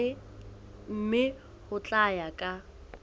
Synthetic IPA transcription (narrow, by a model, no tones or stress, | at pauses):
ɪ | m̩mɪ | hʊt͡ɬʼajakʼa